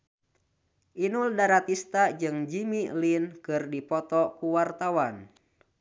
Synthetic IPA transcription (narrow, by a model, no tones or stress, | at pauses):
ʔinuldaɾat̪ist̪ad͡ʒɨŋd͡ʒimilinkɨrdipɔt̪ɔkuwart̪awan